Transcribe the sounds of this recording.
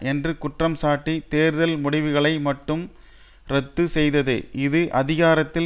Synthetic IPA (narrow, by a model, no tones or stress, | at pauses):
ʔɛndrɯkʊʈrɐmsaːʈːit̪eːɾðɐlmʊɽɪʋɯɣɐɭɐɪmɐʈːɯm | ɾɛt̪ːɯsɛjðɐðɯ̰ʔɪðɯʔɐðɪɣaːɾɐt̪ːɪ